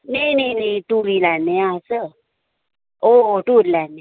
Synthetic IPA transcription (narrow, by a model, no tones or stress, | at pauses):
nenenituɾilaneasə | otuɾilane